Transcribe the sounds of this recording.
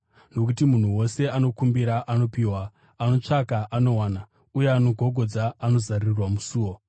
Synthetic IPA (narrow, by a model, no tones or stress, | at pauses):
no̞k̬utimun̤uwo̞se̞ano̞kumbiɾaʔano̞piːwa | ano̞t͡ʂakaʔano̞waːna | ujeano̞ɡʱo̞ɡʱo̞d͡zaːno̞zarirwamusuːwo̞